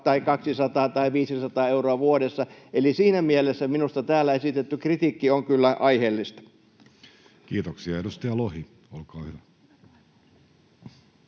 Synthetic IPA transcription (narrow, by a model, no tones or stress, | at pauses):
t̪ɑikɑksisɑt̪ɑːt̪ɑiʋiːsisɑt̪ɑːeuroɑʋuodesːɑʔelisiːnæmielesːæminust̪ɑt̪æːlːæesit̪et̪ːykrit̪iːkːioŋkylːæʔɑiheːlːist̪ɑ̥ | kiːt̪oksiɑedust̪ɑjɑlohi | olkɑːhyʋæ